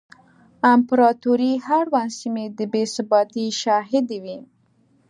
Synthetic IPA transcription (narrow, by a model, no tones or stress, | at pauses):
ampɾɑt̪uɾihaɽwansimed̪əbesabɑt̪iʃɑɦɪd̪ewi